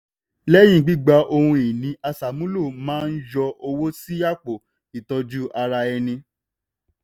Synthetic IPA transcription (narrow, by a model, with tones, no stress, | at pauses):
lɛ˦j̃ĩ˦˨ɡ͡bi˦ɡ͡ba˧ʔo˧hũ˧i˨nĩ˨˦a˧sa˨mũ˨˦lo˦˨mãː˦n̩˦jɔ˧ʔo˧wo˦si˦ja˦˨k͡po˨ | i˨tɔ˧d͡ʒu˦ʔa˧ɾa˧ɛ˧nĩ˧